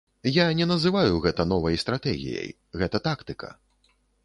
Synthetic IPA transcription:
janʲɛnɐzɨvajuɣɛt̪ɐnɔvɐjst̪ɾat̪ɛɣʲḭjɐ̰j | ɣɛt̪ɐt̪akt̪ɨkɐ̰

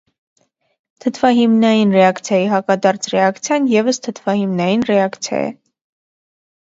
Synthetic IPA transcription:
t̪ʰət̪ʰvɑɦimnɑjinrɛɑkt͡sʰjɑjiɦɑkɑd̪ɑɾt͡sʰrɛɑkt͡sʰjɑnjɛvəst̪ʰət̪ʰv̥ɑhimnɑjinrɛɑkt͡sʰjɑ̰jɛ̰

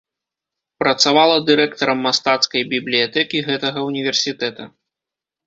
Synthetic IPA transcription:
pɾɐt̪savalˠɐd̪ɨɾɛk̚t̪ɐɾɐmːast̪at̪skɐjbʲiblʲijat̪ɛkʲiɣɛt̪ɐɣɐunʲivʲɛrsʲit̪ɛt̪ɐ

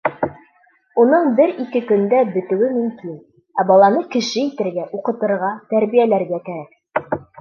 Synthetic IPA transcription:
unɤɴbɘɾikɘkɵ̆nd̪æbɵ̆t̪ʉ̆wɘmɵ̆mkin | æbɑlˠɑnɤkɘ̆ʃɘit̪ɘ̆ɾɡæʔuqɤ̆t̪ɤ̆ɾʁɑt̪æɾbijælæɾɡækæɾæk̚

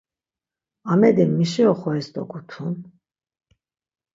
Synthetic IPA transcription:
amɛd̪imːiʃiɔχɔɛsd̪ʼɔ̰kʼut̪ʰun

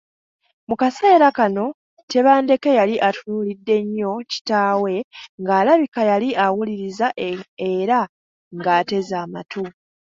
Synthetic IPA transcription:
mukase̞ːɾakano̞ | te̞βaːnde̞ke̞jaliʔatunuːlidːe̞ɲːo̞ci̥taːwe̞ŋɡaːlaβikajaliʔawuliɾizaeɾa | ŋɡaːte̞zaːmatu

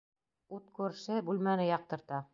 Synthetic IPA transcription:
ut̪kʉɾʃɘbulmænɘjɑq̚t̪ɤ̆ɾt̪ɑ

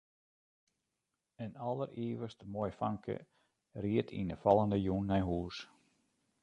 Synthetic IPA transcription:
ənɔlˠəriəʋəstəmoːjfaŋkʰə̰ | riətʰḭnəfɑlˠəndəjunːɛjɦuːs

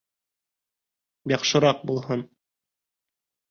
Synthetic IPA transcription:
jɑqʃɤ̆ɾɑq̚bulˠɦɤn

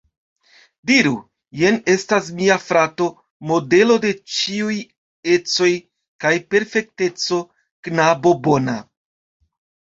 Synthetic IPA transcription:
diɾu | je̞ne̞stasmiafɾato̞ | mo̞de̞lo̞de̞t͡ʃiuj | e̞t͡so̞j | kajpe̞ɾfe̞k̚te̞t͡so̞ | knabo̞bo̞na

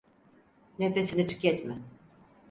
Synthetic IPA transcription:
nefesinit̪ʰy̥cɛt̪mɛ

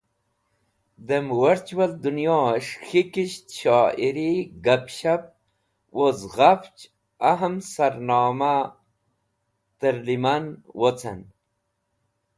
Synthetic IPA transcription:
d̪emwɐɾt͡ɕwɐld̪unjoʂxikiɕt̪ɕaːiɾiɡapɕap̚ | wozʁaft͡ɕ | aɦəmsɐɾnɑːma | t̪əɾlimanwot͡sʰḛn

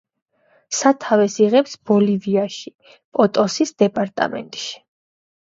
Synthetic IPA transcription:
sat̪ʰavɛsiʁɛpsb̥ɔliviaʃi | pʼɔt̪ʼɔsisd̪̥ɛpʼaɾt̪ʼa̰mɛ̰nt̪ʼʃi̥

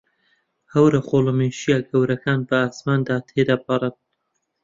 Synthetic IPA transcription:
hɐwɾɐχoːlomeʃijaɡɐwɾɐkaːnbəaːsmaːnd̪aːt̪ʰed̪apɑɾˤən

